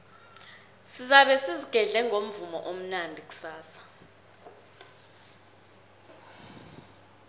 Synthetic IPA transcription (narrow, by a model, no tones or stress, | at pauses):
sizaɓɛsiziɡ̥ʱɛɮɛŋʱom̩vumɔ̰ʔom̩nandʱik̬ʼu̥saːsḁ